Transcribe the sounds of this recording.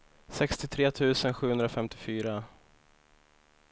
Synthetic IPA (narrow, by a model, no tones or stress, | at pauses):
sɛkst̪ɪt̪ʰɾeːt̪ʰʉ̟ːsənɧʉ̟hɵnd̪ɾafɛmt̪ɪfyːɾa